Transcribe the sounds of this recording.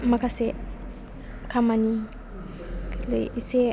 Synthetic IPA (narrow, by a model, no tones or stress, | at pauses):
makase | kʰamani | lḛise